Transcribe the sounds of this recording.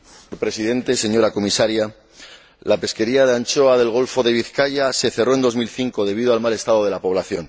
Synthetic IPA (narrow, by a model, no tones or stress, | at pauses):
ɾpɾe̞siðe̞nt̪e̞se̞ɲo̞ɾako̞misaɾja | lape̞ske̞ɾiaðeant͡ʃo̞aðe̞lɣ̞o̞lfo̞ðe̞βiθkaʝase̞θe̞ro̞e̞nd̪omilθiŋko̞ð̞e̞β̞ið̞oalmale̞st̪að̞o̞ðe̞lapo̞β̞laθjo̞n